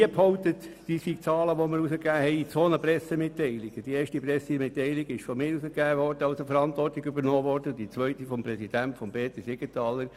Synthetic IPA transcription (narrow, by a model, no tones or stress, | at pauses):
iəphɔʊtətd̥iːsik̚t͡sɑːləʋoməɾusəkːæːhɛɪt͡soːnəpɾɛsemɪtːɛɪlɪɡ̥əd̥ieːɾʃtipɾɛsemɪtːɛɪlɪɡ̥ɪʃfɔmɪːɾusəkæːʋɔɾdəɑʊsofəɾɑntʋɔrtɪɡybəɾnɔːʋɔrd̥əd̥it͡sʋœʏtifɔmprɛsid̥æntfɔmbeːt̪əsɪɡətɑːləɾ